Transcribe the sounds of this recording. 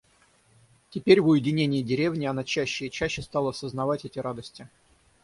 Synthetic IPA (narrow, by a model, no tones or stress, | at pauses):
tʲɪpʲeɾʲvʊjɪdʲɪnʲenʲɪjɪdʲɪɾʲe̞vnʲɪɐnat͡ɕæɕːɪːt͡ɕæɕːɪst̪ɑlˠəɐsəznɐvatʲɛtʲɪɾad̪əsʲtʲɪ